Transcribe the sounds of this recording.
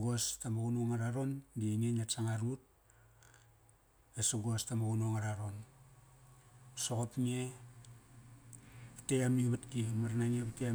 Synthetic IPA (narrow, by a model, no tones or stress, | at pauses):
ɡostamaɡunuŋaɾaɾo̞ndieŋenasaŋaɾut̚ | esuɡo̞stamaɡunoŋaɾaɾo̞n | soɣopŋie | patejamiβatkimaɾnaŋiepte